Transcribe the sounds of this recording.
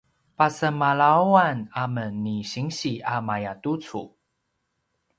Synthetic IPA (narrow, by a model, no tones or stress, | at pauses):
pasəmalawanamənːiɕiŋɕiamajatut͡sṵ